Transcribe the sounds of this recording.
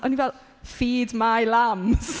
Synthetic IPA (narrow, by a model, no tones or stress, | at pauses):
ɔnivɛlˠ | fiːdmajlams